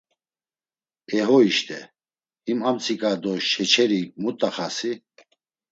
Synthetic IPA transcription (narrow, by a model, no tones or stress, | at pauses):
ɛɦɔiʃt̪ʼɛ | imamt͡sʰikʼad̪ɔʃɛt͡ʃʰɛɾimut̪ʼaχasi